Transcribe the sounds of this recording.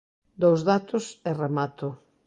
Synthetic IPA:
d̪owzðat̪ʊseremat̪ʊ

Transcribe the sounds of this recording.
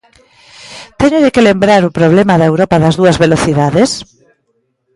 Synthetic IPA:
t̪ɛɲʊðekɪlembɾaɾʊpɾoβlɛmaðɐewɾɔpaðɐzðuɐzβeloθiðaðes

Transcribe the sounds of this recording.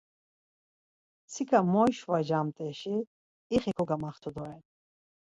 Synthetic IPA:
sʰikʰamɔjʃvad͡ʒamt̪ʼɛʃiː | χɛkʰɔɡamaχt̪ʰud̪ɔɾɛn

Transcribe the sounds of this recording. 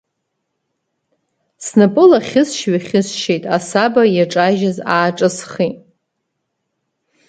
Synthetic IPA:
snɨpʼɨlaχʲɪsʃɥaχʲɪsʃejtʼasabajaʈ͡ʂʼaʒɪzaːʈ͡ʂʼɨsχi

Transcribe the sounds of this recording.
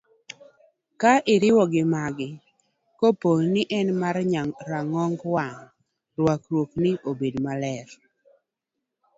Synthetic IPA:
kaʔɪɾɪwɔɡɪmaɡɪ | koponɪʔɛnmaɾɲaɾaŋɔŋɡwaŋ | ɾwakɾwoknɪʔobedmalɛɾ

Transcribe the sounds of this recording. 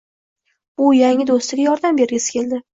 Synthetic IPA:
ʊjaŋʲɪd̪ost̪ɪɡʲajɒɾd̪ambe̞ɾɡʲasɪ̥kʲʰe̞ld̪ɪ

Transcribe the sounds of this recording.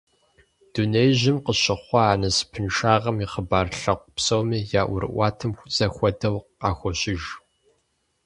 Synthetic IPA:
d̥unejʑɪmqəɕɪχʷɔaːnɐspʰɨnʃaːʁɐmiːχəbaːrɬɐqʷpsowmijaːʔʷʊ̰ɾɨ̰ʔʷɑːtʰɨmxʷʊt͡sɐxʷɔdɐwqɑːxʷɔɕɪʒ

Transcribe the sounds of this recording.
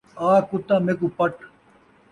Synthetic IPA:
aːkʊt̪ːãːmeːkupɐʈ

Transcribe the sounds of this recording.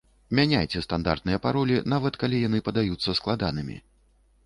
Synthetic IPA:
mʲanʲajt͡sʲɛst̪and̪a̰rt̪̚nɨjɐpaɾɔlʲinavɐt̪kalʲijanɨpɐd̪ajut̪sːɐsklˠad̪anɨmʲḭ

